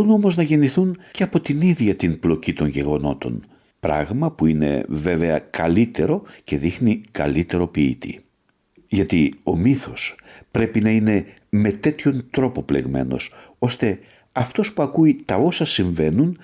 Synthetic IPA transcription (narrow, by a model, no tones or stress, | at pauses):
uno̞mo̞znɐʝe̞niθunceɐpo̞t̪iniðʝɐt̪inblo̞cit̪o̞ɲʝe̞ɣo̞no̞t̪o̞̰n | pɾɐ̰ɣmɐpuine̞̰ve̞ve̞ɐkɐlit̪e̞ɾo̞ce̞ðixnikɐlit̪e̞ɾo̞piḭt̪ḭ | ʝɐt̪io̞̰miθo̞spɾe̞pinɐine̞ | me̞t̪e̞t̪ço̞nt̪ɾo̞po̞ple̞ɣme̞̰no̞̰so̞st̪e̞ | ɐft̪o̞spuɐkuit̪ɐo̞sɐsiɱve̞nun